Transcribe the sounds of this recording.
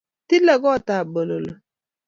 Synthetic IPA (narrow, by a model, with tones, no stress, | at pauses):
ti˦lə˨ɡɔ˦˨ta˨bə˨lo˨lə˨